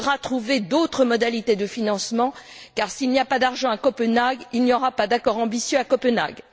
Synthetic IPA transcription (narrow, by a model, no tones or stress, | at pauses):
ʁat̪χuved̪ot̪χəmɔd̪alit̪ed̪əfinɑ̃smɑ̃ | kaʁsilniapad̪aʁʒɑ̃akɔpənaɡilnjɔʁapad̪akɔʁɑ̃bisjøakɔpɛna̰ɡ